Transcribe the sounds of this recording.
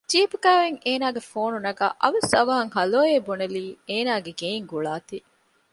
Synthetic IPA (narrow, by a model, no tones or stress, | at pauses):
d͡ʒiːpuɡaːʋeŋeːnaːɡefoːnunɐɡa̰ːʔɐʋɐsɐʋɐɦɐŋɦɐloːeːbuneliːeːnaːɡeɡeiŋɡuɭaːt̪i